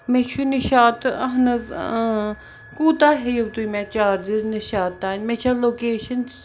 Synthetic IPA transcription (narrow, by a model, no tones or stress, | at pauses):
met͡ʃʰuniʃaːt̪ɐɦnɨz | kuːt̪aɦejowt̪ujmɛt͡ʃaːɾd͡ʒizniʃaːt̪ːaːnʲmet͡ʃʰalokeːʃɐn